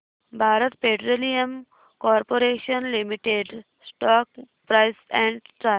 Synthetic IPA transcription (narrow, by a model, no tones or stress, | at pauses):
bʱaːɾət̪peʈɾolijəm | kɔːɾpoɾeːʃənlimiʈeɖ | sʈɔːk̚ | pɾaɪsɛ̃ɳɖʈa